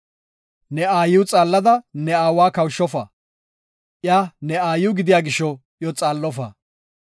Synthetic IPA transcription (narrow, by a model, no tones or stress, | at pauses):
nɛaːjʊwt͡sʼaːlːɐd̪ɐnɛaːwaːkɐwʃːɔfa̰ | ʔjaːnɛaːjʊɡɪd̪ɪjaːɡɪʃːɔ | jɔt͡sʼaːlːɔfa̰ː